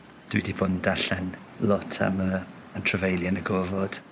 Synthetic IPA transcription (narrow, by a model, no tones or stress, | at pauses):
d̥widiboːdn̩daɬɛn | lɔtʰa̰mə | əntʰrəvejlˠjanəɡɔvɔd̥